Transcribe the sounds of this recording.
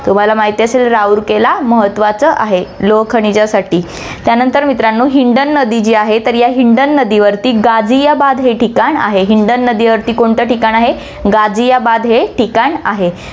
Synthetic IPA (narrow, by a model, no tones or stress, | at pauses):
t̪um̤alamaɦit̪iəselɾauːɾkelaməɦət̪ːʋat͡səʔaɦeloʋkʰəɳ̃it͡ɕasaʈiː | t̪janənt̪əɾmit̪ɾanːuːɦiɳɖənːəd̪id͡ʑiːaɦet̪əɾjaɦiɳɖənːəd̪iʋəɾt̪iːɡad͡zijabad̪ɦeʈʰikaɳa̰ɦeɦiɳɖənːəd̪iʋəɾt̪iːkoɳt̪əʈikaɳaɦe | ɡad͡zijabad̪ɦeʈikaɳaɦe